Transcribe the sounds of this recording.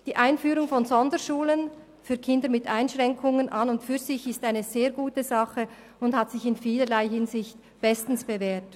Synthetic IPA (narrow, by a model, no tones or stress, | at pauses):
d̥iːʔaɪnfyːɾʊŋfɔnzɔndəʃuːlən | fyːɐkʰɪndəɾmɪtʔaɪnʃʁɛŋkʰʊŋənʔanʊntfyːɐzɪçɪstaɪnəzeːɐɡuːtəzɑχə | ʊnthatsɪçɪnfiːləlaɪɦɪnzɪçt | b̥ɛstn̩sb̥eveːt